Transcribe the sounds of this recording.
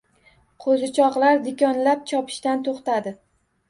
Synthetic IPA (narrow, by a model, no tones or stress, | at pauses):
qʰozɪt͡ʃʰɒqlˠaɾd̪ɪkʲɒnlap̚t͡ʃʰɒpʰɪ̥ʃt̪ant̪ʰoχt̪ad̪ɪ